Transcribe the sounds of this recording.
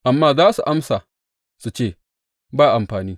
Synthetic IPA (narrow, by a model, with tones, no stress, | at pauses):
ʔa˨mːaː˦zaː˦su˨ʔa˦msa˨ | su˨t͡ʃeː˦˨ | baː˦˨ʔa˨mɸaː˨niː˦